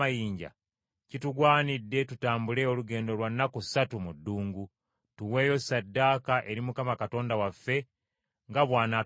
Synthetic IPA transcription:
ajiːɲɟa̰ | cituɡwaːnidːe̞tutaːmbule̞oluɡe̞ːndo̞lwanːakusatumudːuːŋɡu | tuwe̞ːjo̞sadːakaʔe̞ɾimukamakato̞ːndawafːe̞ | ŋɡaβwaːna

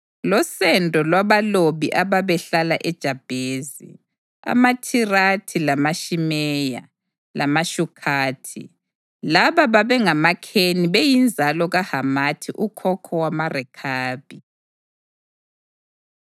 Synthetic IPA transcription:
lɔsɛndʼʱɔlwaβaloβiʔaβaβɛɬalaʔɛd̥ʒ̥ʱab̥ʱeːzḭ | a̰matʰiratʰilamaʃimɛja̰ | lʔamaʃukʰaːtʰḭ | laβaβaβɛŋamakʰeniβejind͡zʱalɔɣahamatʰiʔukʰɔkʰɔwamarɛkʰaːb̥ʱi

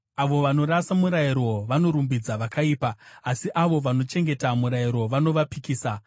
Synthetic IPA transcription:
aʋo̞ʋano̞ɾasamuɾaiɾo̞ʋano̞ɾumbid͡zaʋakaiːpaːsiʔaʋo̞ʋano̞t͡ʃe̞ŋɡe̞tamuɾaiɾo̞ʋano̞ʋapikiːsa

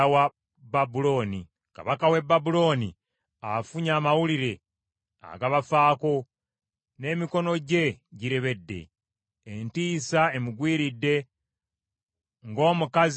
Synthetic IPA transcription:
wa | babulo̞ːni | ka̰βakawe̞bːabulo̞ːnḭ | afuɲaːmawuliɾe̞ | a̰ɡaβafaːko̞ | ne̞ːmiko̞no̞ɟe̞ɟiɾe̞βe̞dːe̞̰ː | ntiːsae̞muɡwiːɾidːe̞ | ŋɡo̞ːmukaz

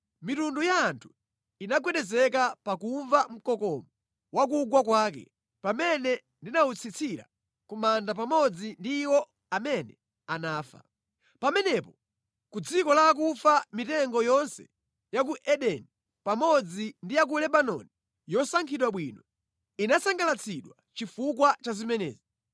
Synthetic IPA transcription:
mitundujaːntʰu̥ | inaɡwɛɗɛzɛkapakuɱvam̩kɔkɔmɔ | wakuɡwakwaːkɛ̰ | pamɛnɛ | ndinaut͡sʰit͡sʰiɾa̰ | kumandap̬amɔd͡zindiːwɔ | amɛnɛ | anaːfa̰ | pamɛnɛpɔ | kud͡zikɔlak̬ufamitɛŋɡɔjɔnsɛ̥̰ | jak̬uʔɛɗɛni | pamɔd͡zindijak̬ulɛbanɔ̰ni | jɔsaŋkʰiɗwaɓwinɔ | inasaŋɡalat͡sʰiɗwa | t͡ʃifukwat͡ʃazimɛnɛ̰ːzi

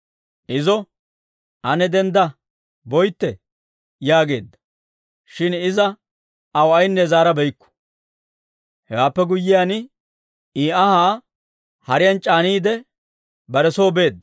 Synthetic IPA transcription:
ʔɪzɔ | ʔɐnɛd̪ɛnd̪ɐ | bɔjt̪ːɛ | jaːɡe̞̰ːd̪ːɐ̥ | ʃɪnɪzɐ | ɐwɐjnːɛzaːɾɐbɛjkːʊ̥ | hɛwaːpːɛɡʊjːɪjan | iːɐhaː | hɐɾɪjɐnt͡ʃʼaːniːd̪ɛ | bɐɾɛsoːbe̞ːd̪ːɐ

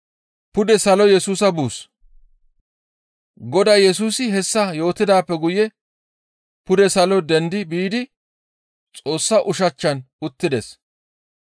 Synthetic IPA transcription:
pʊd̪ɛsɐlɔjɛsuːsɐbuːs | ɡɔd̪ɐjɛs̬uːsɪɦɛsːɐjo̞ːt̪ːɪd̪aːpːɛɡʊjɛ | pʊd̪ɛsɐlɔd̪ɛnd̪ɪbiːd̪ɪ | t͡sʼo̞ːsːɐʔʊʃɐt͡ʃːɐn | ʊt̪ːɪd̪ɛs

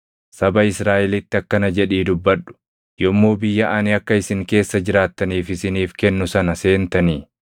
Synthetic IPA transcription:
sɐbɐɪsɾaːʔɛlɪt̪ːɪɐkːɐnɐd͡ʒɛᶑiːd̪ʊbːɐᶑʊ̥ | jɔmːoːbɪjːɐʔɐnɪɐkːɐɪsɪŋke̞ːsːɐd͡ʒɪɾaːt̪ːɐniːfɪsɪniːfkɛnːʊsɐnɐse̞ːnt̪ɐniː

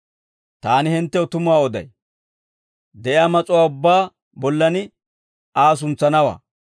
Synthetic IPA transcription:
t̪aːnɪhɪnt̪ːɛɔt̪ʊmʊwaːɔd̪ɐ̰j | d̪ɛʔjaːmɐt͡sʼʊwaːʊbːaː | bɔlːɐnɪ | aːs̬ʊnt͡sːɐnɐwa̰ː

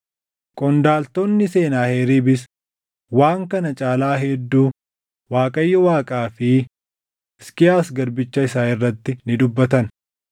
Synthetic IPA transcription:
kʼɔnd̪aːlt̪onːɪse̞ːnaːheːɾiːbɪs | waːŋkɐnɐt͡ʃʼaːlaːɦɛd̪ːuː | waːkʼɐjːɔwaːkʼaːfɪ | skɪjaːsɡɐɾbɪt͡ʃːɐɪsaːɪrːɐt̪ːɪnɪd̪ʊbːɐt̪ɐn

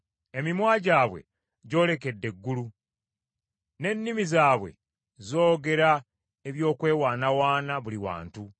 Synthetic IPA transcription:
e̞mimwaːɟaːβwe̞̰ | ɟo̞ːle̞ke̞dːe̞ɡːulu | ne̞nːimizaːβwe̞̰ | zo̞ːɡe̞ɾa | eβjo̞ːkwe̞ːwaːnawaːnaβuliwa̰ːntu

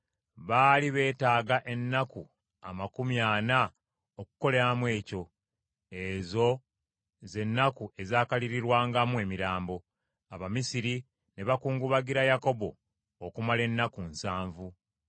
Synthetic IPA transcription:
βaːliβe̞ːtaːɡaʔe̞nːaku | a̰makumjaːna | oku̥ko̞leɾamwe̞ːco̞ | ezo̞ | ze̞nːakuʔe̞zaːkaliɾiɾwaːŋɡamue̞miɾaːmbo̞ | aβamisiɾi | ne̞βakuːŋɡuβaɡiɾajako̞bo̞̰ | okumale̞nːakunsaːɱvu

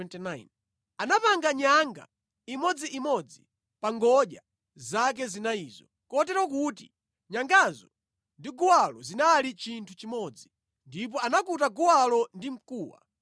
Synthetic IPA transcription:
ɛntinajn | anapaŋɡaɲaŋɡa̰ | imɔd͡ziʔimɔd͡zi | paŋɡɔʄa̰ | zak̬ɛzinaiːzɔ | kɔtɛɾwɔk̬uti | ɲaŋɡazɔ | ndiɡuwalɔzinalit͡ʃintʰut͡ʃimɔd͡zi | ndip̬ɔanakutaɡuwalɔndim̩kuːwa̰

